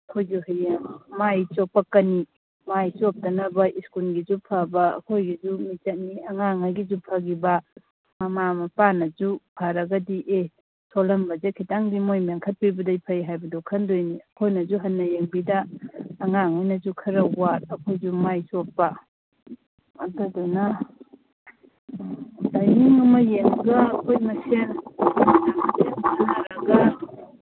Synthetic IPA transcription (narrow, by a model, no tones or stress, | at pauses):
ɐkʰojzuhɐjaŋmajt͡ʃok̚pɐkɐni | majsop̚tɐnɐbɐʔiskulɡizupʰabɐɐ̰kʰojɡizumit͡ʃɐt̚niɐŋaŋaɡizupʰaɡibɐ | mɐmamɐpanɐd͡ʒupʰaɾɐɡɐdiʔe | solɐmbɐzekʰitaŋbimojmaŋkʰɐt̚pibɐdɐjpʰɐjɦajbɐdokʰɐndojniɐkʰojnɐzuɦɐnːɐjeŋbidɐːŋaŋajnɐzukʰɐɾɐwaɾɐkʰojzumajsot̚pɐ | ɐdodunɐ | dajniŋɐmɐjeŋɡɐːkʰojmɐsenkʰomanamasʰenbɐzulaɾɐɡɐ